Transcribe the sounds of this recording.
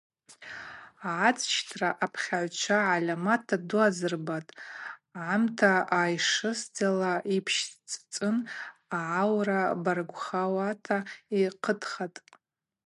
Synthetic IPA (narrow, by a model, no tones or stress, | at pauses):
aat͡sʼʃtʰraʔapʰχʲaʕʷt͡ʃʷʰaʕalʲamatʰaduazɨrbatʼʕamtʰaajʂɨsd͡zalaʔipʰʃt͡sʼt͡sʼɨnaʕawrabarɡʷχawatʰaiqʰədχatʼ